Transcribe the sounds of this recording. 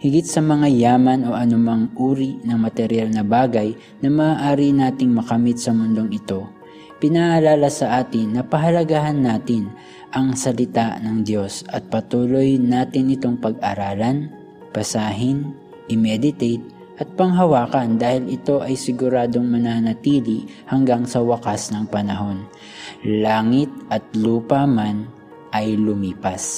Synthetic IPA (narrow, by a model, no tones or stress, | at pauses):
hɪɡɪt̪̚sɐmɐŋajaːmɐno̞ʔɐnʊmaŋʔuːɾinɐŋmɐt̪ɛɾɪjalnɐbaːɡɐj | nɐmɐːʔaːɾinaːt̪ɪŋmɐkɐmɪt̪̚sɐmʊnd̪o̞ŋɪt̪o̞ | pɪnaʔɐlaːlasɐʔaːt̪ɪnːɐpɐɦɐlɐɡaɦanːaːt̪ɪn | ʔɐŋsɐlɪt̪aʔnɐŋd̪jo̞sʔɐt̪̚pɐt̪uːlo̞jnaːt̪ɪnːɪt̪o̞ŋpɐɡ̚ʔɐɾaːlɐn | pɐsaːɦɪn | ʔɪmɛd̪ɪt̪ɛjt̪̚ | ʔɐt̪̚pɐŋɦɐwaːkɐnd̪aːhɪlɪt̪o̞ʔɐjsɪɡʊɾaːd̪o̞ŋmɐnaːnɐt̪iːlɪhɐŋɡaŋsɐwɐkasnɐŋpɐnɐɦo̞n | laːŋɪt̪̚ʔɐt̪̚luːpɐman | ʔɐjlʊmiːpɐs